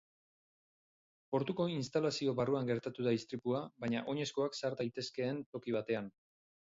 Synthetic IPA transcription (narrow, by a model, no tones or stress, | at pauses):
po̞ɾt̪uko̞inst̪alasio̞βaruaŋɡe̞ɾt̪at̪uðaist̪ɾipuaβaɲaʔo̞ɲe̞sko̞aksaɾd̪ajt̪e̞ske̞ːnt̪o̞kiβ̞at̪e̞an